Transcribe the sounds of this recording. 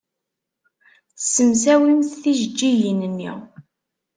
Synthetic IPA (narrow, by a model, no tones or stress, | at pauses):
θsːəmsæwimθθiʒəd͡ʒːijənənːḭʁ